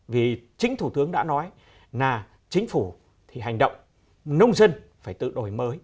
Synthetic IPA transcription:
vi˨˩t͡ɕï˨˦ŋ̟t̪ʰu˧˩t̪ɨ˨˦əŋɗa̰ː˧˥nɔ˨˦j | naː˨˩ | t͡ɕï˨˦ŋ̟fu˧˩ | t̪ʰi˨˩ɦa˨˩jŋ̟ɗə̰˧˨wŋ͡m | nə˧wŋ͡mzə˧nfaː˧˩jt̪ɨ̰˧˨ɗo˧˩jməː˨˦j

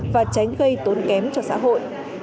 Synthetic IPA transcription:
vaː˨˩t͡ɕa˨˦jŋ̟ɣə˧jt̪o˨˦nkɛ˨˦mt͡ɕɔ˧sa̰ː˧˥ɦo̰˧˨jʔ

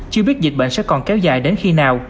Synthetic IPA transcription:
t͡ɕɨ˧əɓi˦˥ət̚zi˨˩k̚ɓḛ˧˨nsɛ̰˧˥kɔ˨˩nkɛ˨˦wza̰ː˧˨˩jɗe˨˦nxi˧naː˨˩w

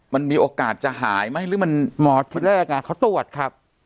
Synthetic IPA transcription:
ma˧nmiː˧ʔoː˧kaː˨˩t̪̚t͡ɕa˨˩ɦaː˩˦jma˥˩jɾɯː˦˥ma˧nmɔː˨˩˦t̪ʰiː˨˧˩ɾaː˦˥˩ʔaː˧kaː˨˩kʰa˦˥wt̪u˨˩ət̪̚kʰɾa˦˥p̚

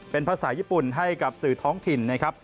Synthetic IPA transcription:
pe˧npʰaː˧saː˩˦jiː˥˩pu˨˩nɦa˥˩jka˨˩p̚sɯː˨˩t̪ʰɔː˦˥ŋt̪ʰi˨˩nːa˦˥˩kʰɾp̚

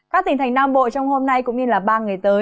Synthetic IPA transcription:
kaː˦˥t̪ï˨˧˩ŋ̟t̪ʰa˨˩jŋ̟naː˧mɓo̰˧˨t͡ɕɔ˧wŋ͡mho˧mna˧jkʊ̰˧˥ŋ͡mɲɨ˧laː˨˩ɓaː˧ŋɨ˨˩əjt̪əː˨˦

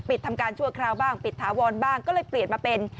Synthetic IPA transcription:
pi˨˩t̪ʰːa˧mkaː˧nt͡ɕʰu˥˩ɐkʰɾaː˧wbaː˥˩ŋpi˨˩t̪ʰːaː˩˦wɔː˧nbaː˥˩ŋkɔː˥˩lɤː˧jpli˨˩ənmaː˧pe˧n

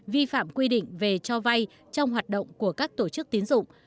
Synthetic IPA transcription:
vi˧fa̰ː˧˨mkwi˧ɗḭ˧˨ŋ̟ve˨˩t͡ɕɔ˧va˧j | t͡ɕɔ˧wŋ͡mɦwaː˨˩t̚ɗə̰˧˨wŋ͡mku˧˩əkaː˦˥k̚t̪o˧˩t͡ɕɨ˦˥k̚t̪i˨˦ənzʊ̰˧˨ŋ͡m

